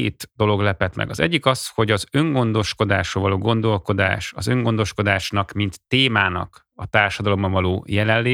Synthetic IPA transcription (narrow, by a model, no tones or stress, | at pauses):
eːt̪d̪o̞lo̞ɡlɛpɛt̪mɛ̰ɡɒ̰zɛ̰ɟːikɒsho̞ɟɒzø̞ŋɡo̞nd̪o̞ʃko̞d̪aːʃovɒloːɡo̞nd̪o̞lko̞d̪a̰ːʃɒzø̞ŋɡo̞nd̪o̞ʃko̞d̪aːʃnɒkmint̪ːeːmaːnɒ̰k | ɒt̪aːrʃɒd̪ɒlo̞mːɒvɒloːjɛlɛlːeː